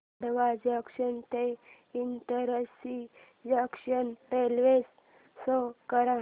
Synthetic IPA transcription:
ɽʋad͡ʑakɕənt̪e | int̪əɾəsi | d͡ʑakɕənɾelʋes | sokəɾã

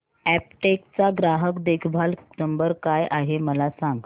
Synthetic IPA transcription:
æp̚ʈekt͡saɡɾaɦəkd̪ekʰbʱalnəmbəɾkajʔaɦeməlasãŋɡ

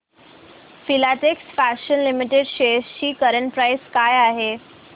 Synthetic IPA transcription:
filaʈeksfæɕənlimiʈeɖɕesɕiːkəɾəɳʈpɾajskajaɦe

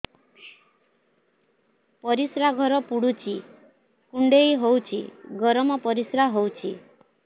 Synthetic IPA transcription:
pɔɾisɾaɡʱɔɾɔpuɽut͡ʃʰi | kuɳɖejɦowt͡ʃʰḭɡɔɾɔmɔpɔɾisɾaɦowt͡ʃʰi

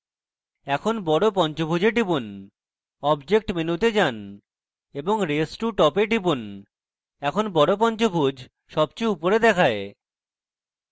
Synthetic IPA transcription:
ɛkʰonbɔɽopɔnt͡ɕobʱud͡ʑeɖibun | ɔbd͡ʑek̚ʈminut̪ed͡ʑan | eboŋɾesʈuʈɔpeɖibun | ɛkʰonbɔɽop̬ɔnt͡ɕobʱud͡ʑʱ | ʃɔb̚t͡ɕuupoɾed̪ɛkʰae

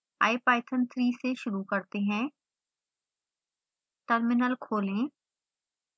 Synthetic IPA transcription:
a̰ːepaːɪt̪ʰənt̪ʰɾiːseʃʊɾuːkəɾt̪eɦɛ̃ː | ʈəɾmɪnəlkʰoːlẽː

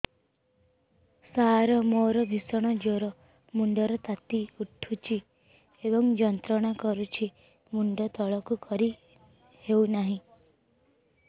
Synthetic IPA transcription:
saɾɔmoɾɔbʱisɔɽ̃ɔd͡ʒoɾɔ | muɳɖɔɾɔt̪at̪iuʈʰut͡ʃʰi | ebɔŋd͡ʒɔnt̪ɾɔɽ̃akɔɾut͡ʃʰi | muɳɖɔt̪ɔɭɔkukɔɾi | hewnaɦĩ

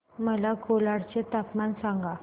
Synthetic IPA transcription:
məlakolaɽt͡ɕet̪apmansãŋɡa

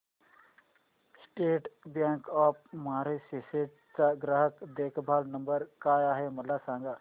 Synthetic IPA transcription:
sʈeːʈbjãːŋkɔːp̚maːɾesiseʈ | t͡saɡɾəɦəkd̪eːkʰbʱaːlnɐmbəɾkaːjaːɦemɐlasãːŋɡaː

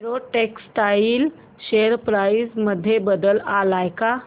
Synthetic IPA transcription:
ɾoʈeksʈaɪil | ʃeːəɾpɾaːɪsməd̪ʱːjebəd̪əlalaːjka

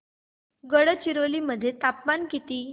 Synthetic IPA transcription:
ɡəɽət͡ɕiɾoliːməd̪ʱːjet̪apmankit̪iː

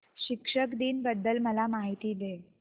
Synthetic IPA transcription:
ɕikʂəkd̪iːnbəd̪ːəlməlamaɦit̪iːd̪e

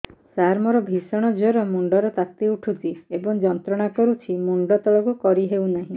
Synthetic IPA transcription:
saɾmɔɾɔbʱisɔɽ̃ɔd͡ʒɔɾɔmuɳɖɔɾɔt̪at̪iuʈʰut̪iebɔŋd͡ʒɔnt̪ɾɔɽ̃akɔɾut͡ʃʰimuɳɖɔt̪ɔɭɔkukɔɾiɦewnaɦĩ

